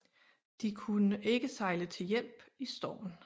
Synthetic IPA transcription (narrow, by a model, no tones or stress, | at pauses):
d̥ikʰunəʔe̝ɡ̥əsɑ̈ɪlət͡sʰe̝ljel̰b̥isd̥ɒ̰ːn